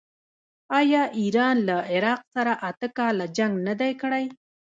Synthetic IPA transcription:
ɑjɑʔiɾɑnlaɪɾɑqsaɾaʔat̪əkɑlad͡ʒaŋɡnad̪ajkɽaj

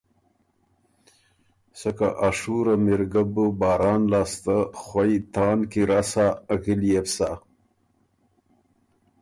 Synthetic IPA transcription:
səkaʔaʂuɾamɪɾɡabəbɑːɾɑːnlɑːst̪axwajt̪ɑːnkiɾasaɣɪlijefsa

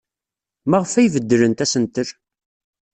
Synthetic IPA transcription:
mæʁəfæjvəd̪ːəɾənt̪æsənt̪əɾ

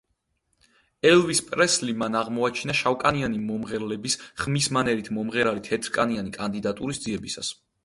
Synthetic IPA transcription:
ɛlˠvispʼɾɛslimanaʁmɔat͡ʃʰinaʃawkʼanianimɔmʁɛɾlɛbisχmismanɛɾit̪ʰmɔmʁɛɾalit̪ʰhɛt̪ʰɾkʼanianikʼand̪id̪at̪ʼuɾisd̪ziɛbisa̰s

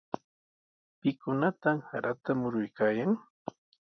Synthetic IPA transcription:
pɪkʊnat̪amhaɾʔat̪amʊɾʊjkaːjaŋ

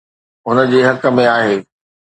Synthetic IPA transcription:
ʊnə̆d͡ʑeːɦɐkə̆mẽaːɦeː

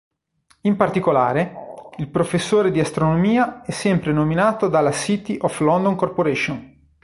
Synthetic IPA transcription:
impart̪ikolaːɾeilpɾofesːoːɾed̪iast̪ɾonomiːaɛsːɛmpɾenominaːt̪od̪alːasit̪iʔɔflɔnd̪oŋkorpoɾɛʃon

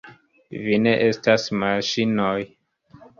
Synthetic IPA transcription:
vine̞ʔe̞stasmaʃinoj

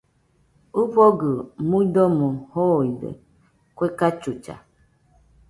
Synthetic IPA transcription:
upɔɡɨmudɔmuhoidə̰ | kʷekat͡ʃut͡ʃa̰

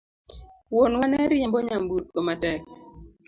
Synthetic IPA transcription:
wonwanɛɾɪjambɔɲambut̪̚komatɛk

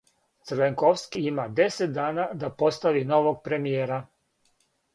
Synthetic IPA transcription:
t̪sɾʋeŋkoʋskiimad̪e̞set̪̚d̪aːnad̪apo̞st̪aʋino̞ʋoɡ̚pɾe̞mijeːɾa

